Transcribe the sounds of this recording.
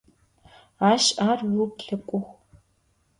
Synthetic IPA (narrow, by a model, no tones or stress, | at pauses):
aːʃaːrwupɬɐkʷʼʊxʷ